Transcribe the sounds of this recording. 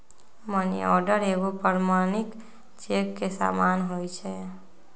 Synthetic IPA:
mənḭɔ̰ɾɖəɾeɡopəɾmañik | t͡ʃekːesa̰manɦojt͡ʃʰɛ

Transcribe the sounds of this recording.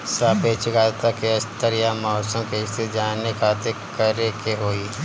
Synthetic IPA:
sapeːt͡ʃɪɡaːt̪akeɐst̪əɾjamɔːsə̃mkeɪst̪ʰet̪d͡ʒaːnekʰaːt̪e | kəɾekeɦoːi

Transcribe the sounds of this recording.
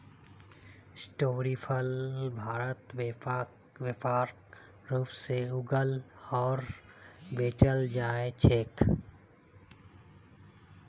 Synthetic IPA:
sʈoːɾiːpʰəlbʱaːɾət̪ʋ | ʋepaːɾ | ɾuːpseuɡəlɔːɾbeːt͡ʃəld͡ʒaːet͡ʃʰeːk

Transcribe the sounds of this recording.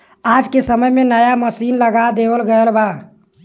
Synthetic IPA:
ad͡ʒkesəməjmenəjaməsinləɡad̪ebəlɡəəlba

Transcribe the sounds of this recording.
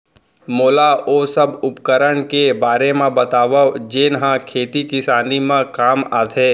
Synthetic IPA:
moːlaoːsɐbʊpkəɾəɽkebaːɾemẽbɐt̪aːʋad͡ʒeːnɦãkʰeːt̪ikɪsaːnimãkaːmaːt̪ʰeː

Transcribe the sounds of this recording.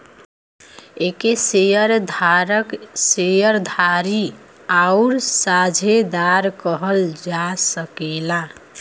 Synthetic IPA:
ekesejəɾd̪ʱaɾəksejəɾd̪ʱaɾi | aʊɾsad͡ʒʱed̪aɾkəɦəld͡ʒasəkela

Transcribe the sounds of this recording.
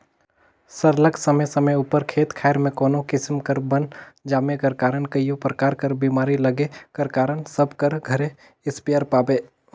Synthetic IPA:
səɾləksəməjsəməjuːpəɾkʰeːt̪kʰaːɪɾmẽkoːnokɪsmkəɾbənd͡ʒaːmekəɾkaːɾəɳkəijopɾəkaːɾkəɾbiːmaːɾiləɡekɐɾkaːɾənsəbkəɾɡʱɐɾe | ɪspijəɾpaːbeː

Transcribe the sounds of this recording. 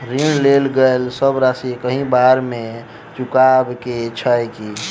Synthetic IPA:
ɾinlelɡəelsəbɾasikəɦĩbaɾme | t͡ʃukabket͡ʃʰəjki

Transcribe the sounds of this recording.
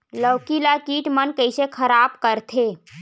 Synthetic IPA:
ləwkilakiːʈmənkəjsekʰəɾab̚kəɾt̪ʰe

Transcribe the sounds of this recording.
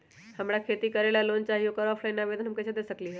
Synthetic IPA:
həmɽakʰeːt̪ikəɾelaloːnt͡ʃaːɦijokəɾɔːpʰlainaʋeːd̪ənɦəmkɛt͡ʃʰed̪eːsəkliɦɛ

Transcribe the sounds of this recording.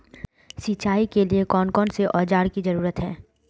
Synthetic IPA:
siːt͡ʃaːikeliekɔːnkɔːnseʔɔːd͡ʒaːɾkizɐɾuːɾət̪ɦɛ̃ː

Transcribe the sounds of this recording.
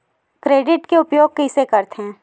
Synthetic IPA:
kɾeːɖɪʈkeʊpjoːɡ̚kɐɪsekɐɾt̪ɦɛ̃ː

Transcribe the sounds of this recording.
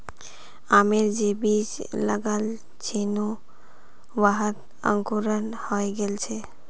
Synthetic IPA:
ameɾd͡ʑebid͡ʑlaɡal | t͡ɕʰinu | baɦat̪ | a̰ŋkuɾanhɔeɡelt͡ɕʰe

